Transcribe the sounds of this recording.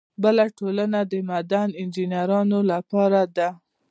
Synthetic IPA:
bəlaʈolanad̪əmad̪anɪnd͡ʒinjaɾɑnolapɑɾad̪a

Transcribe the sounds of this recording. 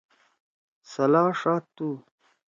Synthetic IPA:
sɐlaːʂaːt̪ːu

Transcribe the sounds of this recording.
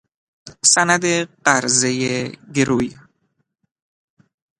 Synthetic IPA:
sænæd̪eɢæɾzejeɡeɾuj

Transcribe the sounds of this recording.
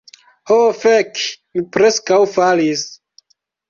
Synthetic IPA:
hofekmipɾe̞skawfalis

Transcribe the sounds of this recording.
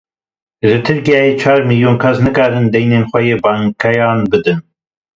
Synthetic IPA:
ʒɨt̪ʰɨɾkijaːjeːt͡ʃʰɑːɾmiljoːnkʰɐsnɨkɑːɾɨnd̪ɛjneːnxʷɐjeːbɑːŋkʰɛjɑːnbɨd̪ɨn

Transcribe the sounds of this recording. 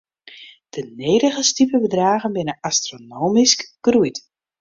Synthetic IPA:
d̥əneːɾəɣəstipəbədraːɣənbɪnəastronoːmiskɡ̥rujt

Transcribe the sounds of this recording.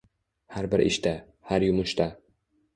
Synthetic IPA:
haɾbɪɾʔɪ̰ʃt̪a | haɾjʊmʊʃt̪a

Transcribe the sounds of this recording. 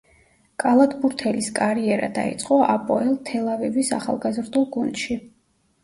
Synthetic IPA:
kʼalˠad̪buɾt̪ʰɛliskʼaɾiɛɾa̰d̪a̰ḭt̪sʼqʼɔʔa̰pʼɔɛlˠt̪ʰɛlˠavɛvisa̰χa̰lˠɡazɾd̪ulˠɡund̪̥ʃi

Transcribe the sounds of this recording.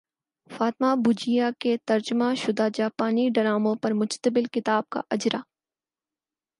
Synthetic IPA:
faːt̪ɪmabʊd͡ʒijaket̪ɐɾd͡ʒʊmaʃʊd̪aːd͡ʒaːpaːniɖɐɾaːmõpɐɾmʊd͡ʒt̪əbɪlkɪt̪aːb̚ka̰ʔɐd͡ʒɾaː

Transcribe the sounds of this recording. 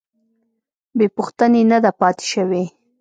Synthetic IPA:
bepuxt̪ənenad̪apɑt̪e̥ʃəwe

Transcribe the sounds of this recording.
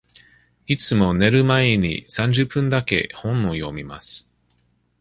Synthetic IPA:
it͡sɨmo̞ne̞ɾɯ̟maeɲ̟ḭsãɲ̟d͡ʑɨpːɯ̃nd̪ake̞̰hõ̞nːojo̞̰mʲima̰sɨ̥

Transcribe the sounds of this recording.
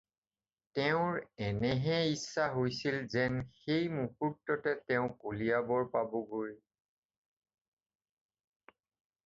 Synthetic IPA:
tɛʊ̃ɹɛnɛɦɛisːaɦojsilzɛnxejmukutːɔtɛtɛʊ̃kulijabɔɹpabɔɡuɹi

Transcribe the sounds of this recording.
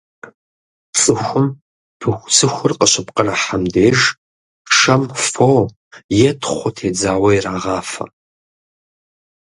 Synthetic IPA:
t͡sʼɨxʷʊm | pʰɨxʷsʰɨxʷʊrqʼəɕɪpqʼəraħamdeːʒ | ʂɐmfoː | jɛtʰχʷʊtʰeːd͡zaːwɐjraːʁaːfɐ̰

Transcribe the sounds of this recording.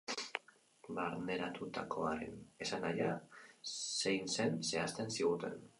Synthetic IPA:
baɾne̞ɾat̪ut̪akʰo̞aɾe̞̰ne̞sanaja | se̞jnse̞nse̞ast̪e̞nsiɣut̪e̞̰n

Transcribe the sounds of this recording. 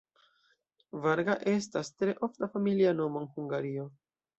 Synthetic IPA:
vaɾɡaʔe̞stastɾe̞ʔo̞ftafamiliano̞moenhuŋɡaɾio̞

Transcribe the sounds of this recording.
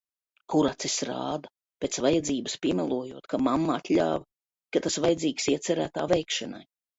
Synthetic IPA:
kuɾat̪sesɾa̰ːd̪a | pʲet̪svajad̪ziːbɨspʲiɛmɛlˠuɔjuɔt̪kʰamamːaat̪lʲa̰ːv | kat̪asvajad̪ziːksiɛt̪sɛɾæːt̪a̰ːvɛjkʃɛna̰j

